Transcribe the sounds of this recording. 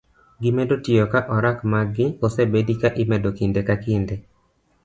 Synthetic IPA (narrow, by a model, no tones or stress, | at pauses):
ɡɪmɛdotɪjokaʔɔɾakmaɡɪosebedikaʔɪmɛdokindekakinde